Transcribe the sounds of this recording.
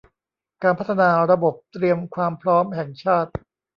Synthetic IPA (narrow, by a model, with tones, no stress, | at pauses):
kaː˧npʰa˦˥t̪ʰːa˧naː˧ɾa˧bo˨˩p̚t̪ɾi˧əmkʰwaː˧mpʰɾɔː˦˥mɦɛ˨˩ŋt͡ɕʰaː˥˩t̪̚